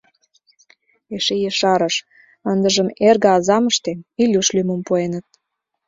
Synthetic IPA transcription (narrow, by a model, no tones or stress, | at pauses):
eʃejeʃɑɾəʃ | ənd̪əʒəmerɣə̆ɑzɑməʃt̪eilʲuʃlyməmpuenət̪̚